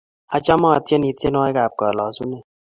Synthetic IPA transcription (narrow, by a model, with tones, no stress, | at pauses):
a˨t͡ʃa˦mɔ˦a˨tjɛ˦ni˨˧te˦nɔ˦e˦ɡa˨p̚kɔ˨lɔ˨˦su˦ne˨